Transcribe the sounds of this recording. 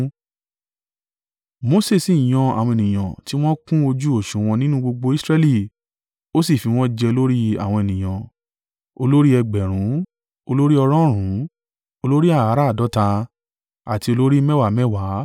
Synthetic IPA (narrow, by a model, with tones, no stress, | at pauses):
mo˧se˦˨si˨j̃ɔ̃˨˧a̰˨w̃ɔ̃˧e˨nĩ˨j̃ã˨ti˦w̃ɔ̃˦kũ˦o˧d͡ʒu˦o˦˨ʃũ˨w̃ɔ̃˧nĩ˦nũ˦ɡ͡bo˧ɡ͡bo˧i˦sɾɛ˧li˦˨ | o˦si˦˨fi˧w̃ɔ̃˦d͡ʒɛ˧o˧lo˦ɾi˦a̰˦˨w̃ɔ̃˧e˨nĩ˨j̃ã˨ | o˧lo˦ɾi˦ɛ˧ɡ͡bɛ˨ɾ̃ũ˨˦ | o˧lo˦ɾi˦ɔ˧ɾɔ̃˦ɾ̃ũ˨˦ | o˧lo˦ɾi˦a˦˨a˨˦ɾa˦˨dɔ˨˦ta˧ | a̰˨ti˧o˧lo˦ɾi˦mɛ˦wa˨mɛ˦wa˨˦